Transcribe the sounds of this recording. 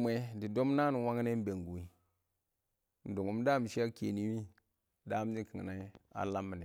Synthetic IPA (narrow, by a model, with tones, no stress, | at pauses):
m˦e˦di˨do˦mna˦n˨wa˦ŋ˦ne˦m˦be˨ŋɡu˨i˦ | n˨du˨ŋu˨˦m˦da˦m˨ʃi˦a˦ke˨ni˦wi˦ | da˦m˦ni˦ki˨ŋ˨na˨˦a̰˨la˦mːi˨ni˨